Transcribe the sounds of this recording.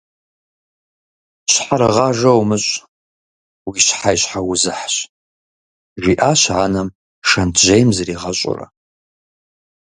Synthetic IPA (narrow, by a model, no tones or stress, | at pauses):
ɕħaɾɨʁɑʐɐwmɨɕʼ | wiɕħajɕħawʊzɨħɕ | ʒʷiːʔaːɕʕaːnɐm | ʂɐntʰʒejmzɐriːʁɐɕʷʼʊ̰rɐ̰